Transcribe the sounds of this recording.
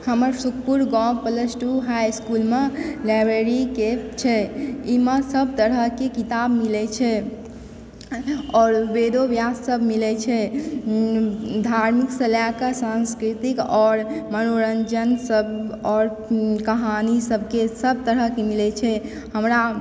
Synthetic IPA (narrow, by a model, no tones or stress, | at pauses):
həməɾsuk̚ʰpuɾɡɔ̃pələsʈuɦajskulmelajbɾeɾiket͡ʃʰɛiməsəb̚ʱt̪əɾəɦkekit̪abmilɛt͡ʃʰɛ | ɔɾbed̪objasːəbʱmilɛt͡ʃʰɛ | d̪ʱaɾmiksə̃ljakasãnskɾit̪ikɔːɾmənoɾənd͡ʒənsəbɔːɾ | kəɦanisəbʱkesəb̚ʱt̪əɾəkemilɛt͡ʃʰɛ | həmɾa